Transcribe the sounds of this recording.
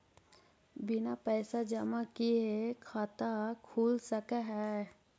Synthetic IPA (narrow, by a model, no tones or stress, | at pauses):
bɪnapɛːsad͡ʒəmakiekʰat̪akʰuːlsəkaɦɛ